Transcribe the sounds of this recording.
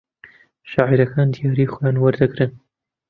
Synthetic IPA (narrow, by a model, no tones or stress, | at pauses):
ʃɑːʕiɾɐkʰaːnd̪ijɑːɾiːxojaːnwɐɾd̪aɡɾɨn